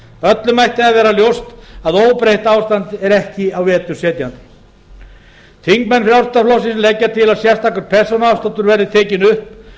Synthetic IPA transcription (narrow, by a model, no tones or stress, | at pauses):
œt̪lʏmajht̪ɪaavɛːɾaljowst̪aðoːwpɾejht̪aːwst̪ant̪ɛɾɛhcɪawvɛːt̪ʏsɛːt̪jant̪ɪ̥ | θʰiŋkmɛnfɾjawrst̪aflɔwsɪnslecːat̪ʰɪlaðsjɛr̥st̪ʰaːkʏɾ̥pʰɛsɔnawst̪ant̪ʏɾvɛɾðɪt̪ʰɛːcɪnʏhp